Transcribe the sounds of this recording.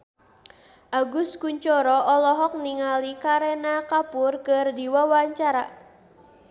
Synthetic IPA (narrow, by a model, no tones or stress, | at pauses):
ʔaɡʊskuɲt͡ʃɔɾɔʔɔlɔɦɔk̚niŋalikaɾɛnakapʊrkɨrdiwawaɲt͡ʃaɾa